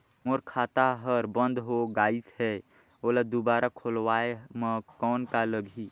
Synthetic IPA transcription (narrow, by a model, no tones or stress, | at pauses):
moɾkʰaːt̪aɦəɾbə̃nd̪ʱɦoɡaːit̪ɦɛ | oːlad̪ubaːɾʔakʰoːlwaːeməkɔːnkaləɡʱi